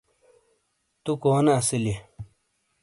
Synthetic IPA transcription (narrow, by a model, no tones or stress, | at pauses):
t̪ukoːnɐːsili